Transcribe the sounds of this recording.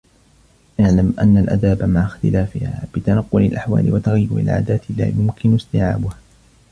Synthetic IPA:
ʔaʕlamʔa̰nːalʔa̰d̪aːbamaʕaxt̪ɪlaːfɪhaːb̥ɪt̪anɑqːʊlɪlʔaħwa̰ːlɪ̰wat̪aɣjːʊɾɪ̰lʕa̰ːd̪aːt̪ɪla̰ːjʊmkʰɪnʊst̪ɪʕa̰ːbʊha

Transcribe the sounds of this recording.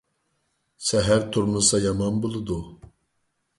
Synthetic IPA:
sɛɦæɾt̪ʰuɾmɨsɑjɑmɑnbolˠɨd̪u

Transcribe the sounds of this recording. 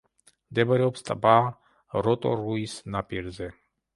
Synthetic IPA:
d̪ɛbaɾɛɔpst̪ʼa̰ba | ɾɔt̪ʼɔ̰ɾuisnapʼiɾzɛ

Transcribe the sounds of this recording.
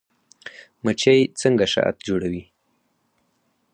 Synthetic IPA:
mət͡ʃajt͡səŋɡaʃa̰ʔa̰t̪d͡ʒoɽawi

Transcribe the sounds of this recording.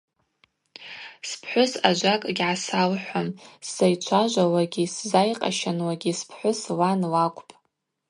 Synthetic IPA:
spʰħʷʊsad͡ʒʷakʼɡʲʕasalħʷamsajt͡ʃʷʰaʒʷawaɡʲiszajqʼa̰ʃanwaɡʲispʰħʷʊslanlakʷʰʼpʼ

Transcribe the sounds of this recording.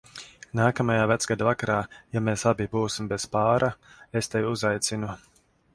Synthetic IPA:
naːkamajaːvæt̪sɡad̪avakaɾaːjameːsabʲibuːsimbezpaːɾʔaest̪evʲuzajt̪sinu

